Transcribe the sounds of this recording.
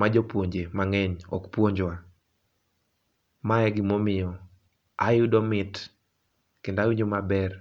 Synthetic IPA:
mad͡ʒɔpwoɲd͡ʒemaŋɛɲɔ̰kpwoɲd͡ʒwa | maɛɡɪmomɪjɔ | ajʊdɔmɪt | kendawiɲd͡ʒomabɛr

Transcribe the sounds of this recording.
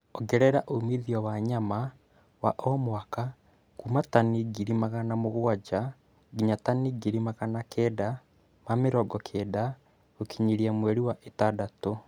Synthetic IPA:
ɔɡɛɾɛɾaʔomiðiɔwaɲama | wa̰ʔɔmwaka | kumataniɡiɾimaɣanamoɣoad͡ʒa | ɡiɲataniɡiɾimaɣanakɛːda | mameɾɔɡɔkʰɛda | okʰiɲiɾiamwɛɾiwaʔetadato

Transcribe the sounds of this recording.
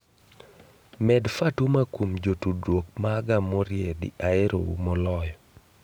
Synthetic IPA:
mɛdfatumakumd͡ʒotudwok̚maːɡamɔɾjedɪ̰ʔaeɾo̰wṵmɔlɔjɔ

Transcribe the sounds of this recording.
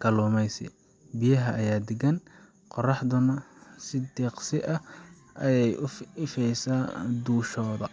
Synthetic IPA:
kʰɐluːmɛjsɪ̰ | bɪjɐɦɐʔɐjaːd̪ɛɡɐn | qɔrɑħd̪ʊnɐsɪd̪ɛːqsɪʔɐ | ʔɐjɛjʊɪfɛjsaːd̪uːʃɔːðɐ

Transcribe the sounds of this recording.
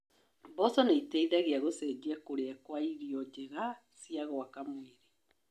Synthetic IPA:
bɔsɔneitɛiðaɣeaɣosɛd͡ʒiɛkoɾeɛkwaiɾiɔd͡ʒeɣa | siaɣɔakamweɾe

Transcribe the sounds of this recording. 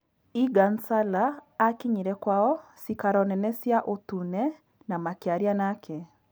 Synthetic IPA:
iɡansalaːkiɲiɾɛkwaɔsikaɾɔnɛnɛsjaʔotunɛ | namakeaɾianakʰɛ

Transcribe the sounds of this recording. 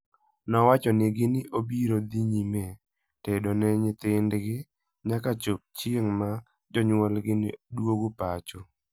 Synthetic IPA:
nɔwat͡ʃɔnɪɡɪnɪʔobiɾod̪iɲimɛ | tedonɛɲɪt̪ɪndɡɪ | ɲakat͡ʃop̚t͡ʃjeŋma | d͡ʒɔɲwɔlɡɪnɪdwoɡopat͡ʃo

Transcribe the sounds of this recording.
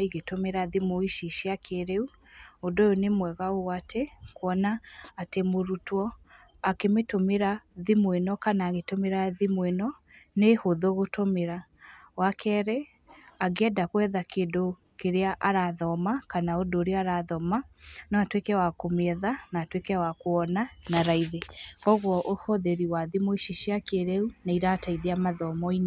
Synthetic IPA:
iɣetomeɾaðimoiʃiʃiakʰeɾeu | odojonemwɛɣaowatʰekwɔnaːtemoɾutwɔ | akemetomeɾaðimwenɔkanaːɣetomeɾaðimwenɔnehoðoɣotomeɾawakʰɛːɾɛ | aɣɛdakwɛðakeːdo | keɾeaʔaɾaðɔmakanaodoːɾeaaɾaðɔmanɔatwekɛwakomɛðanaːtwekɛwakoɔnanaɾaiðekɔɣwɔʔohɔðeɾiwaðimoiʃiʃiakeɾɛunaiɾataiðeamaðɔmɔin

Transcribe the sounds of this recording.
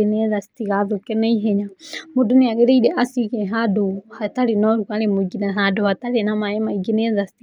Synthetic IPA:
inɛðasi̥tiɣaðɔkɛnɛiɦɛɲamuduniaɣɛɾɛiɗɛʔasikɛɦaduhatalinɔɾukalɛmuiɡinɛɦaduhatalɛnamaɛmaiɡinɛðasi̥ti

